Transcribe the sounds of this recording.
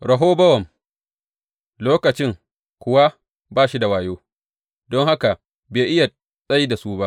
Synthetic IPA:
ɽɐ˨ɦoː˦bɐ˦wɐ˨m | loː˦kɐ˨t͡ʃɪ˦ŋ | kʷʊ˨wa˦ | baː˦˨ʃi˦da˨waː˨joː˦ | dɔ˦ŋha˦ka˨ | beː˨ʔɪ˦ja˨ | sʼɐ˦jda˨su˦ba˦ʔ

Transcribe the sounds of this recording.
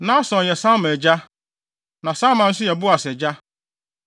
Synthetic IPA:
nã˦sɔ̃˨n˨jɛ˨sã˦mɛ̃˨d͡ʑa˦ | nã˨sã˦mã˨n̩˦sʊ˦jɛ˨bʊ˦a˨sɛ˨d͡ʑa˦

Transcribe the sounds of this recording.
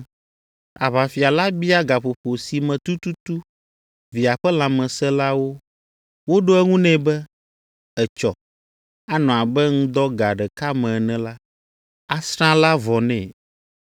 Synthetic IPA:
a̰˨βa˨fi˨a˨la˦bi˦a˦ɡa˨ɸo˨ɸo˨si˨mɛ̃˨t̪u˦t̪u˦t̪u˦ | vi˨a˨ɸɛ˦lã˨mɛ̃˨sɛ˦la˦wo˦ | wo˦ɖo˦ɛ˦ŋũ˦nɛ̃˦bɛ˦ | ɛ˨t͡ʃɔ˨ | a˦nɔ̃˨a˨bɛ˦ŋũ˦d̪ɔ˦ɡa˨ɖɛ˨ka˦mɛ̃˨nɛ̃˨la˦ | a˦sɾ̃ã˦la˦vɔ˨nɛ̰̃˨

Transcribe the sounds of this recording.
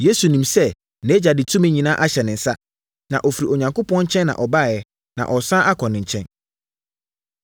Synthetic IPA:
je˦su˨nĩ˨msɛ˦ | nɛ̃˨˦d͡ʑa˨dɪ˨tʰũ˦mɪ̃˦ɲĩ˨nã˦ʔa˦ɕɛ˨nɪ̃˨n̩˨sa˦ | nã˨ʔɔ˨fi˨ɾi˨ɔ˨ɲã˨ŋko˦pʰɔ̃˦nɲ̩˦t͡ɕʰɛ̃˦nːã̰˨ʔɔ˨ba˦˨jɛ˦ | nã̰˨ʔɔ˨sã˦ʔa˦kʰɔ˨nɪ̃˨ɲ̩˨t͡ɕʰɛ̃˦n

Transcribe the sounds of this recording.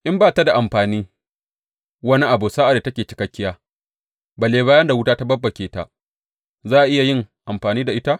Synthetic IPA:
ʔɪ˦mbaː˦˨ta˦da˨ʔa˨mɸaː˨niː˦ | wɐ˦ni˦ʔa˨bu˨saː˦ʔa˨da˨tɐ˦kʲeː˨t͡ʃɪ˨kɐ˦kʲːɪ˦jaː˦ | bɐ˨leː˦baː˦jɐ˦nda˨wʊ˦taː˦ta˦bɐ˦bːɐ˨kʲeː˨ta̰˦ | zaː˦˨ʔa˨ʔɪ˦ja˨jɪ˦ŋʔa˨mɸaː˨niː˦da˨ʔɪ˦ta˦ʔ

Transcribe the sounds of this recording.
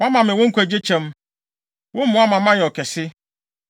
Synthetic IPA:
a˦mã˨mɪ̃˨wʊ̃˦ŋ̩˦kʷæ˨d͡ʑe˦t͡ɕʰɛ̃˦m | wʊ̃˦m̩˦mʊ̃˦a˦mã˨mã˦jɛ˨ɔ˨kʰɛ˨sɪ˦

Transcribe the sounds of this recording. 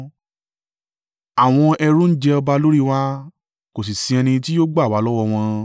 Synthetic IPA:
a˨w̃ɔ̃˧ɛ˧ɾũ˦n̩˦d͡ʒɛ˧ɔ˧ba˧lo˦ɾi˦˨wa˦ | ko˨s̬i˨sĩ˧ɛ˧nĩ˧ti˦jo˦ɡ͡ba˦˨wa˨˦lɔ˦wɔ˧w̃ɔ̃˧

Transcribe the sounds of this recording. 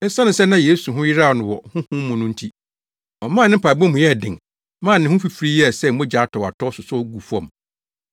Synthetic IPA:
ɛ˦sã˦nʊ̃˨sɛ˦nã˦je˨˦su˨ɦʊ̃˦jɪ˦ɾa˦˨nʊ̃˨wɔ˨hʊ̃˦hʊ̃˦m˦mʊ̃˨nʊ̃˦n̩˦tʰi˦ | ɔ˨mãː˦˨nɪ̃˦m̩˦pʰa˨bɛ̃˦mʊ̃˨jɛ˦˨dɪ̰̃˨ŋ | mã˦˨nɪ̃˨˦hʊ̃˦fi˦fɾi˦jɛ˦˨sɛ˦˨mʊ̃˦d͡ʑaː˨˦tʰɔ˨a˨tʰɔ˦sʊ˨sɔ˦ɔ˦ɡu˨fɔ̰̃˨m

